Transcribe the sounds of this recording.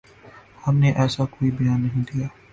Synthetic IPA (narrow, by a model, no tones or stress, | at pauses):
hɐmneʔɛːsakoːibɐjaːnːɐɦĩd̪ijaː